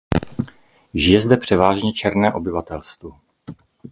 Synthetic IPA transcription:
ʒɪjɛzd̪ɛpr̝̥ɛvaːʒɲɛt͡ʃɛɾnɛːʔo̞bɪvat̪ɛlst̪vo

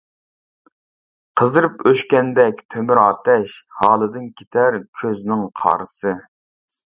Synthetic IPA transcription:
qʰəzɨɾɨpøʃkʲɛnd̪ɛkʲt̪ʰømyɾɑːt̪ʰɛʃhɑːlˠɨd̪ɨnkʲʰet̪ʰæɾkʲʰøznɪŋqʰɑ̰ːɾɨsɨ

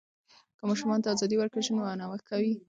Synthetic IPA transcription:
kəmɑʃumɑnt̪aːzɑd̪iwaɾkaʒənwanawəkawi

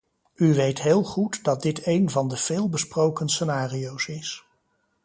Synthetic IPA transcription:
yʋejtɦeːlˠχutdɑt̚dɪtejnvɑndəv̥ɪːlˠbəsprowkənsənaːriowsɪs

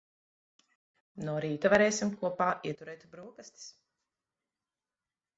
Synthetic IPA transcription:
nuɔɾiːt̪avaɾɛːjsʲimkuɔpaːʔiɛt̪uɾɛːjt̪bɾuɔkast̪i̥s

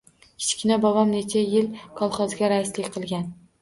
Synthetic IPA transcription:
kʲʰɪ̥t͡ʃkʲɪnabɒvamnet͡ʃʰajɪlkʰɒlˠχɒzɡʲaɾaɪslɪkʲqʰɨlˠɡʲan

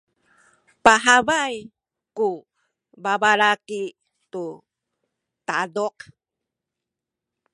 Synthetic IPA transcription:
paɦabaj | ku | babaɾaki | tu | t̪adɔq̚

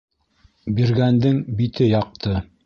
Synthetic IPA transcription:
biɾɡænd̪ɘŋbit̪ɘjɑq̚t̪ʰɤ

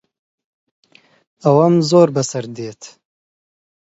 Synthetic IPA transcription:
awamzoːɾbɐsɐɾd̪eːt̪ʰ

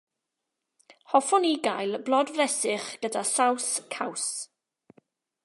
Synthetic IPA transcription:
hɔfɔniɡajlˠblˠɔdvrɛsɪχɡ̥ədasawskʰaws

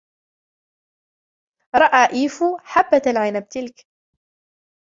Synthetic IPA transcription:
ɾˤɑʔaːʔiːfuħabːat̪alʕɪnab̚t̪ɪlk

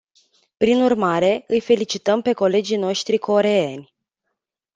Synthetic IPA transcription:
pɾinurmaɾe̞ɨjfe̞lit͡ʃit̪əmpe̞ko̞le̞d͡ʒijno̞ʃt̪ɾiko̞ɾe̞enʲ

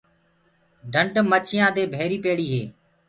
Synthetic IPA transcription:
ɖʱəɳʈmət͡ʃʰɪjãːd̪eːbʱeːɾiːpeːɽiːɦḛː

